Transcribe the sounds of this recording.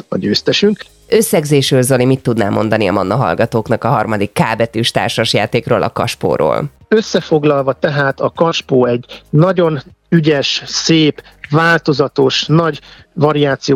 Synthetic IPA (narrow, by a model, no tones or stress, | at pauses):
ɒ̰ɟøːst̪ɛʃyŋk | øsːɛɡzeːʃrøːlzolimit̪ːud̪naːmo̞n̪d̪ɒniɒ̰mɒnːɒɦɒ̰lɡɒt̪oːknɒkɒɦɒrmɒd̪ikːaːbɛt̪yːʃt̪a̰ːrʃɒʃjaːt̪eːkroːlʔɒ̰kɒ̰ʃpo̰ːɾo̰ːl | øsːɛfo̞ɡlɒlvɒt̪ɛɦaːt̪ɒkɒʃpoːɛɟːnɒɟo̞n | yɟɛʃseːp | vaːlt̪o̞zɒt̪o̞ʃnɒɟ | vɒɾiaːt̪sijo